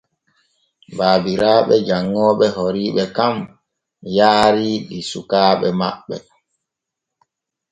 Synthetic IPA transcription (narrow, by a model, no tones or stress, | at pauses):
baːbiɾaːɓɛd͡ʒaŋːɔːɓɛɦoɾiːɓɛkam | jaːɾilisukaːɓɛma̰ɓːɛ